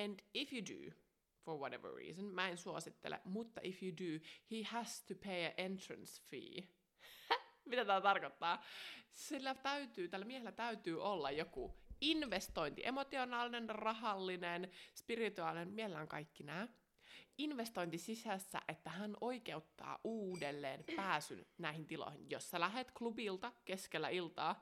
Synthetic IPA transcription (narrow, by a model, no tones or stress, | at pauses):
æ̃nd̥ɪfjudʉ̰ | foɹwɔɾḛʋə̰ɹḭːsə̃nmæensuosit̪ːḛlḛmut̪ːɑʔifjudʉhihæst̪ʰupʰeɪæʔentɹə̰̃nsfḭː | mit̪æt̪æːt̪ɑrkot̪ːɑːsilːæt̪æyt̪yːt̪ælːæmiɛhelːæt̪æyt̪yːʔolːɑjokuinʋest̪o̞int̪ḭʔemot̪ionɑːlinenrɑɦɑlːinenspirit̪uɑːˑlinenmielelæŋkɑ̰ikːinæː | inʋest̪o̞int̪isisæsːæ̰ʔet̪ːæhænʔoike̞ut̪ːɑ̰ːʔuːdelːḛːnpæːsy̰nnæihint̪ilo̰hḭnjosːælæɦet̪klubilt̪ɑke̞skelːæ̰ilt̪ɑː